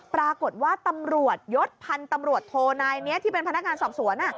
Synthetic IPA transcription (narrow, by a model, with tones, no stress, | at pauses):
pɾaː˧ko˨˩t̪̚waː˥˩t̪a˧mɾu˨˩ət̪̚jo˦˥t̪̚pʰa˧nt̪a˧mɾu˨˩ət̪ʰːoː˧naː˧jni˦˥ɐt̪ʰiː˥pe˧npʰna˦˥k̚ŋaː˧nsɔː˨˩p̚su˩˦ənʔa˨˩